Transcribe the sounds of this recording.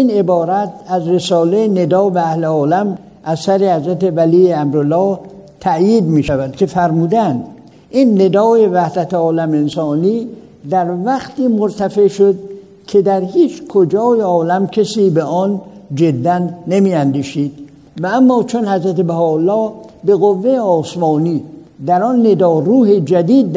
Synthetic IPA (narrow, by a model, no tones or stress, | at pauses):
ine̞bɒːɾæt̪̚ʰæzɾe̞sɒːlejne̞d̪ɒːbææhleɒːlæm | ʔæzsæɾehæzɾæt̪evæliːeæmɾolːɒː | t̪ʰæʔjiːd̪miːʃævæd̪̥kʲʰe̞fæɾmuːd̪ænd̪ | ʔiːnːe̞d̪ɒːjevæhd̪æt̪ʰeɒːlæmensɒːniː | d̪æɾvæxt̪iːmoɾt̪ʰæfe̞ʔʃod̪̚ | cʰe̞d̪æɾhiːt͡ʃkʰod͡ʒɒːjeɒːlæmcʰesiːbeʔɒnd͡ʒe̞d̪ːænːemiːænd̪iːʃiːd̪̥̚ | vææmːɒːt͡ʃʰonhæzɾæt̪ebæhɒːlːɒːbe̞ɣovːe̞jeɒːsmɒːniːd̪æɾɒnːe̞d̪ɒːruːhed͡ʒæd̪iːd̪